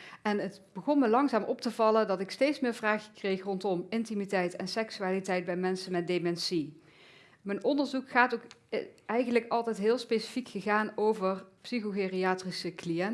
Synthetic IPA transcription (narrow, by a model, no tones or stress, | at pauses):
ɛnətb̥əɣɔnməlɑŋzaːmʔɔp̚təvɑlədɑtɪkstejtsmɪːɹvraːxəkrejxrɔntɔmɪntimitɛjtɛnsɛksyaːlitɛjd̚bɛjmɛnsənmɛt̚demɛnsi | mənɔndəɹzukχaːtokɛjɣənləkɑlˠtɛjtɦɪːlˠspejsi̥fikxəɣaːnowvərpsixoɣeriaːtrisəklijɛn